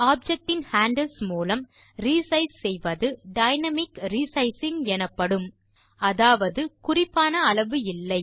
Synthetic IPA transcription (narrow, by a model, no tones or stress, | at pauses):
aːb̚d͡ʒɛk̚ʈɪnhaːɳɖɐlsmuːlɐm | ɾiːsɐɪssɛjʋɐðɯɖɐɪnɐmɪkɾiːsɐɪsɪŋɛnɐpːɐɽɯm | ɐðaːʋɐðɯkʊrɪpːaːnɐːɭɐʋɯɪlːɐɪ